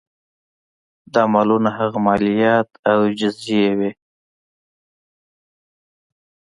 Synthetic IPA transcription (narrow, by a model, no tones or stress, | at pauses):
d̪ɑmɑlunaɦaɣamɑlijɑt̪awd͡ʒɪzd͡ʒijewe